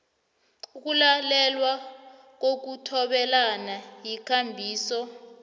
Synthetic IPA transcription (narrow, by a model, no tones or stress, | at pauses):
k̬ulalɛlwa | k̬ok̬utʰɔɓɛlanajikʰambʱiːsɔ